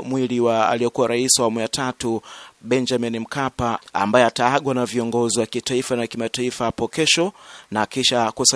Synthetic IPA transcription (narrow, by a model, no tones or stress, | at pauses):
mwiliwaa̰lijɔkuwaɾaisawamujatʰatuɓɛnd͡ʒaminim̩kapaa̰mbajɛataaɠwanaviɔŋɡɔziwakitaifanakimataifaapɔkɛʃɔnakiʃakusa